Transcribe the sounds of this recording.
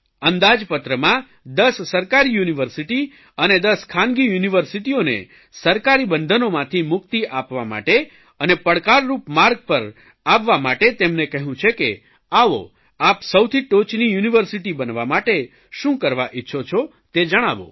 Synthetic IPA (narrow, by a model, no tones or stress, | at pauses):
ənd̪ad͡ʒpət̪ɾəmã | d̪əsːəɾkaɾijuniʋəɾsiʈi | əned̪əskʰanɡijuniʋəɾsiʈionḛ | səɾkaɾibənd̪ʱənomãt̪ʰimʊkt̪iʔapʋama̰ʈe | ənepəɽkaɾːupmaɾɡ̚pəɾ | aʋːamaʈet̪emnekəɦũt͡ʃʰeke | aʋo̰ | apsəwt̪ʰiʈot͡ʃnijuniʋəɾsiʈibənʋamaʈe | ʃũkəɾʋaʔitːʃʰot͡ʃʰo | t̪ed͡ʒəɽ̃a̰ʋo̰